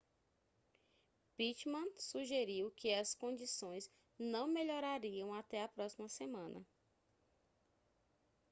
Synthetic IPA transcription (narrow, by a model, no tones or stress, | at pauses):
pit͡ʃmɐ̃suʒeɾiwkɪɐskõd͡ʒisõj̃z | nɐ̃w̃meʎɔɾaɾiɐ̃w̃at̪ɛɐpɾɔsimɐsemɐ̃nɐ̰